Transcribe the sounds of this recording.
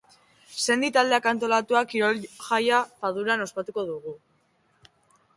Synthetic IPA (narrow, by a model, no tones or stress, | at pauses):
se̞nd̪it̪ald̪e̞akant̪o̞lat̪uakiɾolʝajafaðuɾano̞spat̪uko̞ðuɣu